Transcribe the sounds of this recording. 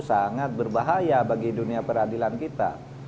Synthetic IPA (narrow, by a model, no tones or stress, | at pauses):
saŋat̪̚bərbaɦajabaɡiduniapəɾadilankit̪a̰